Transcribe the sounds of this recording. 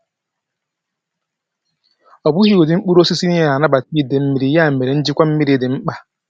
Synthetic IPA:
ɔ˨bu˦hi˦o˨dɪ˨ŋ͡m̩˦k͡pu˦ɾo˦si˦si˦ni˦a˨a˨na˦ba˨ti˦˨de˨m̩˦mi˨ɾi˨ja˦˨m̩˨me˨ɾe˨n̩˦d͡ʒi˦kʷa˦m̩˦mi˦ɾi˨dɪ˨ŋ͡m̩˦k͡pa˨

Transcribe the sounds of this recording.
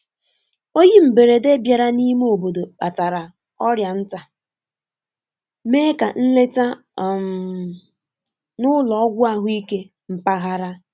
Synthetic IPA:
o˦ji˦m̩˨be˨ɾe˨de˦bja˨ɾa˦ni˦me˦o˨bo˨do˨k͡pa̰˨ta˨ɾa˨ | ɔ˦ɾja˨n̩˦ta˨ | meː˦ka˨n̩˦le˦ta˦˨ | m˨ | nʊ˦lɔ˨ɔ˦ɡʷʊ˦a˦ɦʊ˦i˦ke˦ | m̩˨pa˦ɣa˦ɾa˦

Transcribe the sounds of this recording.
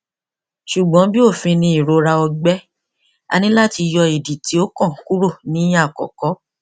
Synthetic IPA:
ʃu˨ɡ͡bɔ̃˨˦bi˦o˦˨fĩ˧nĩ˧i˨ɾo˨˧ɾa˧ɔ˧ɡ͡bɛ˦ | a̰˧nĩ˦la˦˨ti˧jɔ˧i˨di˨ti˨˦o˦kɔ̃˦˨˦ku˦ɾo˦˨nĩ˦j̃ã˦˨kɔ̰˨kɔ˨˦

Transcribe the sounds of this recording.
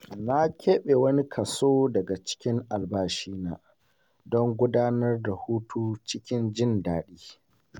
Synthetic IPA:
na˦kʲeː˦ɓe˨wɐ˦ni˦kʰɐ˨soː˦dɐ˨ɡa˨t͡ʃɪ̥˦kʲɪ˦ŋʔa˨lbaː˦ʃiː˦naː˨ | dɔ˦ŋɡʷʊ˦daː˦nɐ˦rda˨huː˦tʰuː˦t͡ʃɪ˦kʲɪ˦nd͡ʒɪ˦ndaː˨ɗiː˦

